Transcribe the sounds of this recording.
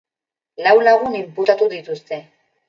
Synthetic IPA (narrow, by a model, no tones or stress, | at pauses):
lawlaɣunimput̪at̪uðit̪ust̪e̞